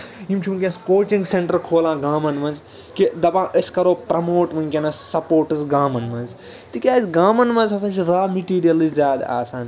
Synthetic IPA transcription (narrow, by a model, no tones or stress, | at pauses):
imt͡ʃʰumukʲẽskoːt͡ʃĩŋɡseɳʈɐɾkʰoːlãːɡaːmɐnmɐnz | kid̪ɐbãːʔəsʲkɐɾoːpɾɐmoːʈʋɐ̃nʲkʲenɐssɐpoːɾʈɐzɡaːmɐnmɐnz | t̪ikʲaːzɡaːmɐnmɐ̃nzɐsãːt͡ʃʰiɾaːmiʈiːɾijɐliszʲaːd̪a̰ːsaːn